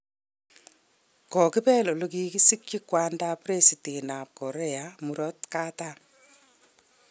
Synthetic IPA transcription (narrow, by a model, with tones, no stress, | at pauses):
kɔ˨ki˦pɛ˦lɔ˨lo˦ki˦ki˦si˦k̚t͡ʃi˦kwa˦nda˦pɾe˦si˨te˨na˨p̚kɔ˨ɾe˦a˨mu˨ɾɔ˦tka˦ta˦